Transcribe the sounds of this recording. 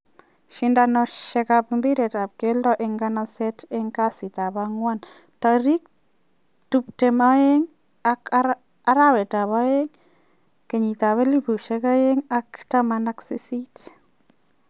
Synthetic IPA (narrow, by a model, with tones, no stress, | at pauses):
ʃindanɔʃɛkapimbi˦ɾɛ˨ta˨p̚ke˦lɔ˦ʔɪŋɡanasɛ˦te˦ŋka˦si˨ta˨baŋwa˦n | ta˨ɾi˦k̚ | tupte˨ma˦jeŋ | ak | a˦ɾa˦wɛ˨ta˨βa˦je˦ŋ | ke˨ɲi˨ta˨βe˦li˦pu˨ʃɛka˦je˦ŋaktamanaksi˦si˦t